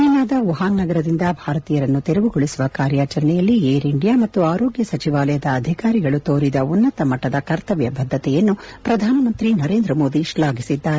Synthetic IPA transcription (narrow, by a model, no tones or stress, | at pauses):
ɐnaːd̪ɐʋuɦaːnːɐɡɐɾɐd̪ind̪ɐbʱaːɾɐt̪iːjɐɾɐnːut̪eɾɛʋuɡoɭisuʋɐkaːɾjaːt͡ʃɐɾɐɳɛjɐlːieːɾiɳɖijaːmɐt̪ːuaːɾoːɡjɐsɐt͡ʃiʋaːlɐjɐd̪ɐːd̪ʱikaːɾiɡɐɭut̪oːɾid̪ɐunːɐt̪ɐmɐʈːɐd̪ɐkɐɾt̪ɐʋjɐbʱɐd̪ʱːɐt̪ɛjɐnːupɾɐd̪ʱaːnɐmɐnt̪ɾinɐɾe̞ːnd̪ɾɐmo̞ːd̪iʃlaːɡisid̪ːaːɾe